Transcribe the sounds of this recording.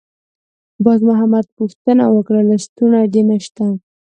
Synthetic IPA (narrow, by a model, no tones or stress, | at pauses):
bɑzmʊɦamad̪̚puxt̪əna̰wəkɽalast̪unaɖ̪enaʃt̪a